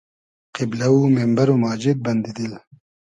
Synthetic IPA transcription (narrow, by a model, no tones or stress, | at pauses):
qiblɐumembɐɾomaːd͡ʒid̪̚bɐnd̪id̪il